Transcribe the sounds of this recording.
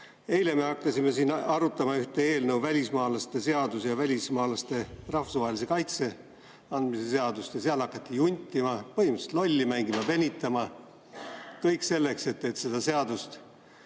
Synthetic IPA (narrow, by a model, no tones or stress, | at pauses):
e̞jle̞me̞ɑkːɑsʲime̞siːnɑɾut̪ːˑɑmɑyht̪e̞eːlnɤwvælʲismɑːlɑst̪e̞se̞ɑd̪̥usjɑvælʲismɑːlɑst̪e̞rɑfusvɑɦelʲis̬e̞kɑjt̪se̞ | ɑnd̪mise̞se̞ɑd̪ust̪jɑseɑlɑkːˑɑt̪ːijunʲt̪ʲːˑimɑpɤɦimɑse̥t̪lo̞lʲːimæŋɡ̥imɑpe̞nʲit̪ːˑɑmɑ | kɤjkˑse̞lːe̞kse̞t̪ːe̞t̪se̞d̪̥ɑse̞ɑd̪ust̪